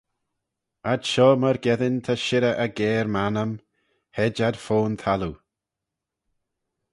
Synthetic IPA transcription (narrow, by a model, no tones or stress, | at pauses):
adʃɔːməɾɡɛðɪnt̪ʰaʃɪɾəʔəɡɛːɾmanəm | hɛd͡ʒad̥foːnt̪ʰalu